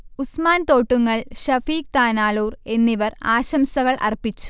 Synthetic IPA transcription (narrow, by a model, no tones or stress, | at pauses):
usmaːnt̪o̞ːʈːuŋːɐɭɕɐfiːk̚t̪aːnaːɭuːre̞nːiʋɐra̰ːɕɐmsɐɣɐɭʔɐ̰rpːit͡ɕːu̥